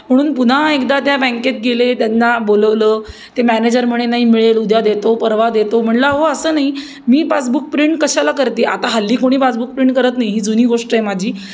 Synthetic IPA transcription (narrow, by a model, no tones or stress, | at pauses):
m̤əɽ̃uːnpun̤aekd̪at̪jabɛ̃ŋket̪̚ɡelet̪janːaboləʋləː | t̪emæned͡ʑəɾm̤əɽ̃enaɦiːmiɭelud̪ʱjad̪et̪opəɾʋad̪et̪om̤əɳləɦoəsəːnaɦi | miːpasbuk̚pɾiɳʈ̚kəɕalakəɾt̪iːa̰t̪aɦəlːiːkoɽ̃iːpasbuk̚pɾiɳʈ̚kəɾət̪naɦiɦiːd͡zuniːɡoʂʈəemad͡ʑʱiː